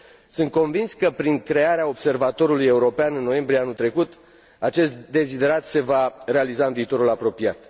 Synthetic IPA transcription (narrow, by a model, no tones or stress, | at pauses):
sɨnt̪̚ko̞nvinskəpɾiŋkɾe̞aɾeao̞bse̞rvat̪o̞ɾuluje̞uɾo̞peanɨnːo̞je̞mbɾieanut̪ɾe̞kut̪ | at͡ʃe̞st̪d̪e̞zid̪e̞ɾat̪se̞vare̞alizaɨnviːt̪o̞ɾulapɾo̞piat̪